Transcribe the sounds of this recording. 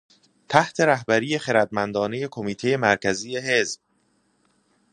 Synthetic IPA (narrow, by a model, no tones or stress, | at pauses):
t̪ʰæht̪ʰe̞ɾæhbæɾiːje̞χe̞ɾæd̪̚mænd̪ɒːne̞je̞kʰo̞miːt̪ʰe̞je̞mæɾcʰæziːje̞ɦe̞zb̥̚